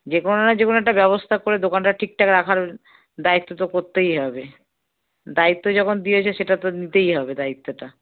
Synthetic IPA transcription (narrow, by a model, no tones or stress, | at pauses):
d͡ʑekononad͡ʑekonoɛk̚ʈabɛβost̪ʰakoɾed̪okanʈaʈʰik̚ʈʰakeɾakʰaɾ | d̪ait̪ːot̪̬okoɾt̪ejɦɔbe | d̪ait̪ːod͡ʑɔkʰond̪iet͡ɕʰeʃeʈat̪onit̪ejɦɔbed̪ait̪ːoʈa